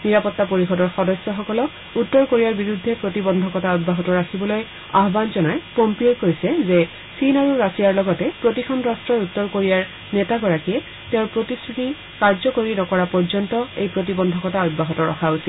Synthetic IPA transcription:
niɹapɔtːapoɹixɔdɔɹxɔdɔsjɔxɔkɔlɔk | utːɔɹkoɹijaɹbiɹudʱːɛpɹotibɔndʱɔkɔtaɔd̚baɦɔtɔɹakʰibɔloj | a̰ɦbanzɔnajpɔmpɹiokoɹisɛzɛ | sinaɹuɹasijaɹlɔɡɔtɛpɹotikʰɔnɹastɹɔjutːɔɹkoɹijaɹ | nɛtaɡɔɹakiɛ | teʊ̃ɹpɹotistʰɹuti | kaɹzɔkoɹinɔkɔɹapɔɹzɔntɔejpɹotibɔndʱɔkɔtaɔd̚baɦɔtɔɹɔ̰xʰaosil

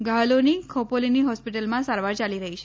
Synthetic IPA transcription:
ɡʱalonikʰɔpoliniɦɔspiʈəlmãsaɾʋaɾt͡ʃaliɾəɦit͡ʃʰe

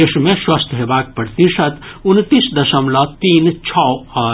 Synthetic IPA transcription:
eʃmẽʃwɐst̪ʰɦebaːk̚pɐɽt̪iʃɐt̪unt̪isd̪ɐʃəmlɐt̪iːnt͡ʃʰɔ

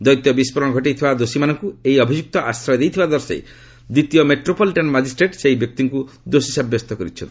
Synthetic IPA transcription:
d̪ɔjt̪jɔbispɔɾɔnɔɡʱɔʈ̬it̪ʰibad̪osimanɔŋkueiɔbʱid͡ʒuk̚t̪ɔʔast̪ɾajɔd̪ejt̪ʰibad̪ɔɾsḛj | d̪it̪ijɔmeʈɾopɔliʈɔnmad͡ʒisʈɾeʈseɦibjɔk̚t̪iŋku | d̪osisabjɔst̪ɔkɔɾit͡ʃʰɔ̰̃nt̪

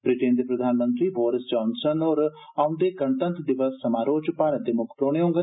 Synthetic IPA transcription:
bɾɪʈeːnd̪eːpɾəd̪ʱaːnmə̃nt̪ɾiːboːɾɪsd͡ʒɔːnsənoːɾ | aːʊnd̪eːkəɳt̪ə̃nt̪ɖɪʋəsːəmaːɾoːd͡ʒpaːɾət̪̚d̪eːmʊkʰpɾoːɽ̃eːɦõːŋɡə

